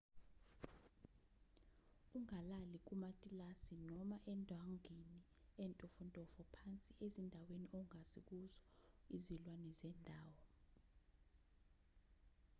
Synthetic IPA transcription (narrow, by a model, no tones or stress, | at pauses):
uŋalalik̬umatʼilasinɔmaʔɛndʱwaŋini | ɛntʼɔfɔntʼɔfɔpʰant͡sʼiʔezindʱaweniʔɔŋaz̥ik̬uzɔizilwanɛzɛndʱaːwɔ